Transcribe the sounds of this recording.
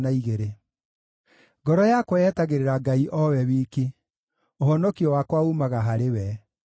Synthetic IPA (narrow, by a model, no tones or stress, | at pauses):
naiɣeɾe | ɡɔɾɔjakwɔɛːtaɣeɾeɾaɡaiʔɔwɛwiːki | oɦɔnɔkiɔwakwaumaɣaɦaɾewɛ